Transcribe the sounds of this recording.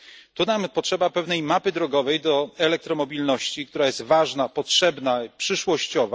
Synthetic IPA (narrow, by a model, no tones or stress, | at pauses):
t̪unampɔtʂɛbapɛvnɛjmapɘd̪ɾɔɡɔvɛjd̪ɔɛlɛk̚t̪ɾɔmɔbʲilnɔɕt͡ɕik̚t̪uɾajɛst̪vaʐnapɔtʂɛbnaipʂɘʂwɔɕt͡ɕɔva